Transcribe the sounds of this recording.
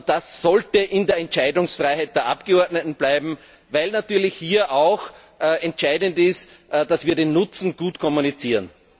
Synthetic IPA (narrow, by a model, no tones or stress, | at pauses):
d̥asːɔltəʔɪ̃ndeːɐɛntt͡ʃaɪdʊŋsfʁaɪhaɪt̚d̥eːɐʔapɡ̥əɔɐdnətn̩b̥laɪbm̩ | vaɪlnatyːɐlɪçhiːɐʔaʊx | ɛ̃ntʃaɪdəntɪst | d̥asviːɐdeːnːʊt͡sn̩ɡ̥uːtkʰɔmunit͡siːʁən